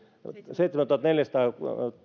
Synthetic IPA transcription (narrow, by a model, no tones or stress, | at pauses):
seit̪smænt̪uhɑt̪neljæst̪ɑː